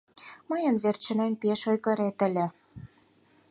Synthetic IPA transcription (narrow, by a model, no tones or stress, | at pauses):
mɤjə̆nβert͡ɕə̆nempeʃojɣɤ̆ɾet̪ə̆lʲĕ